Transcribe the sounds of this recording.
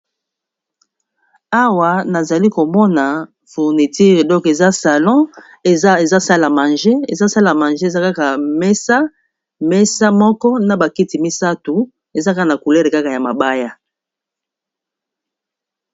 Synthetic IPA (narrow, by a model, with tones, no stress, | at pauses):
a˦wa˨na˨za˨li˦ko˨mɔ˦na˨ | fu˨ʁni˨ti˦ʁe˨dɔ̃˦ke˨za˦sa˨lɔ̃˦˨˦ | e˨za˦sa˦la˨ma˨nʒe˦e˨za˦sa˦la˨mã˨nʒe˦˨za˦ka˦ka˨mɛ˦sa˦ | mɛ˦sa˦mɔ˦kɔ˦na˨ba˨ki˦ti˨mi˦sa˦tu˨ | e˨za˦ka˦˨na˨ku˨lɛ˦ʁe˨ka˦ka˨ja˨ma˨ba˦ja˦